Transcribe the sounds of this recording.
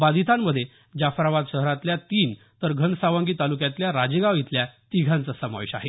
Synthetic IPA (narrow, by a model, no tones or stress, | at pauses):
bad̪it̪ʰamːəd̪ʱje | d͡ʑafɾaʋad̪ɕəɦɾãt̪ljat̪iːn | t̪əɾɡʱənsaʋãŋɡiːt̪alukjãt̪ljaɾad͡ʑeɡaʋit̪ljat̪iɡʱãnt͡səsama̰ʋiɕa̰ɦe